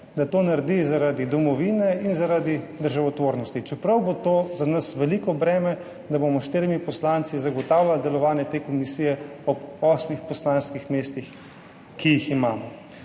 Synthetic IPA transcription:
d̪at̪oːnaɾd̪izaɾad̪id̪ɔmɔʋinɛinzaɾad̪id̪əɾʒaʋɔt̪ʋoːɾnɔst̪it͡ʃɛpɾɐwbot̪oːzanɐsʋɛlikɔbɾɛːmɛ | d̪abomɔʃt̪eːɾimipɔslant̪sizaɡɔt̪aːwlʲjald̪ɛlɔʋaːnjɛt̪eːkɔmisiːjɛɔbɔsmixpɔslaːnskixmeːst̪ix | kijiximaːmɔ

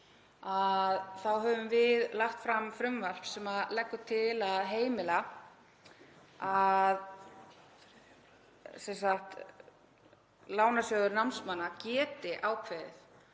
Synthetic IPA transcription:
aðθawɦœvʏmvɪðlaht̪fɾamfɾʏmval̥psɛmaðlɛkːʏt̪ʰɪlaðɦeːjmɪla | að | sɛnsaxt̪ | laːwnasjœːðʏɾnawmnsmanːacɛːt̪ɪʔaːwkʰvɛːðɪ̰θ

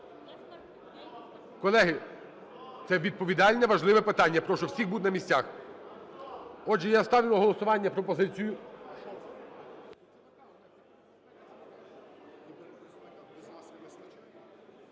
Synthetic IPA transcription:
kɔlˠɛɦɪ | t̪sɛʋʲid̪̚pɔʋʲid̪ɑlʲnɛʋɐʒlˠɪʋɛpɪt̪ɑnʲːɐpɾɔʃt͡ʃɔwsʲixbud̪nɐmʲisʲt͡sʲax | ɔʒɛjast̪ɑʋʲimɐɦɔlˠɔsʊʋɑnʲːɐpɾɔpɔzɪt͡sʲijʊ

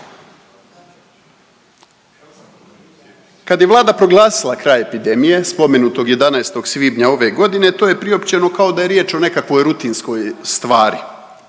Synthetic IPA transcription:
kad̪jeʋlˠaːd̪apɾo̞ɡlˠaːsilˠakɾaːje̞pid̪e̞mije̞spo̞me̞nuːt̪o̞ɡje̞d̪anaest̪o̞ɡsʋiːbɲao̞ʋe̞ɡo̞d̪ine̞t̪o̞ːjepɾio̞pt͡ɕe̞no̞kao̞d̪aje̞ɾjeːt͡ʃo̞ne̞kakʋo̞jɾut̪insko̞jst̪ʋaːɾi

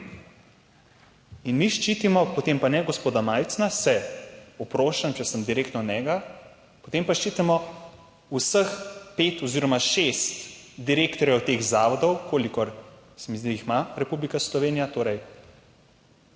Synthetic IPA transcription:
inmiʃt͡ʃiːt̪imɔpɔt̪empanɛɡospoːd̪amaːjt̪snasɛɔpɾoːʃamt͡ʃɛsəmd̪iɾeːk̚t̪nɔnɛːɡa | pɔt̪empaʃt͡ʃiːt̪ɛmɔ | usəxpet̪ɔziːɾɔmaʃest̪d̪iɾeːkt̪ɔɾjɛwt̪eɣzaːʋɔd̪ɔwkoːlikɔɾ | sɛmizd̪iixmaɾɛpublikaslɔʋeːnijat̪oːɾɛj

